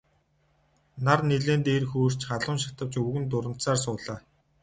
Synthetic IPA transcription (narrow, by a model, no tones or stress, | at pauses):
narneɮeːnt̪eːrxuːr̥t͡ɕχaɮʊːnʃḁt̪ə̆wt͡ɕɵɣɘ̆nt̪̬ʊɾə̆n̥t̪saːrsʊːɮaː